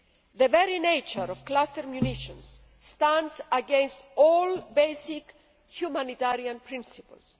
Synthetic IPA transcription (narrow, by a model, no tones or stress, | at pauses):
ðəveɾinejt͡ʃəɾɔv̥klast̪eɾmjuniʃõns | t̪ãndsɐɡẽnst̪ɔlbejsik | hjumanit̪aɾiãnpɾĩnsipə̰ls